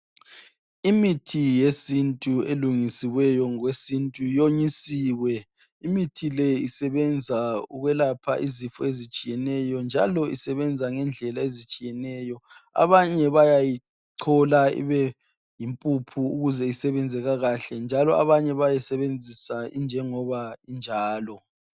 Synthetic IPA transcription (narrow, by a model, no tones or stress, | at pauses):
imitʰijesintʼueluŋisiwɛjɔŋwesintʼujoɲisiːwɛ | imitʰilɛisɛβɛnd͡zʱauɣwɛlapʰa̰ʔizifɔ̰ezit͡ʃʼijɛnɛjɔnd͡ʒʱalɔḭsɛβɛnd͡zʱaŋɛnd͡ɮʱɛlaezit͡ʃʼijɛnɛːjɔa̰βaɲɛβajaji | ǀʰɔlaḭβɛ | jimpʼupʰuuɣuzɛisɛβɛnd͡zʱɛɣaɣaɬɛnd͡ʒʱalɔa̰βaɲɛβajɛsɛβend͡zʱisaind͡ʒʱɛŋɔβaind͡ʒʱaːlɔ